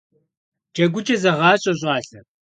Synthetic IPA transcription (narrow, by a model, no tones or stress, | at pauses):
d͡ʒɐɡʷʊt͡ʃʼɐzɐʁɑːɕʼɐɕ̬ʼɑːɬɐ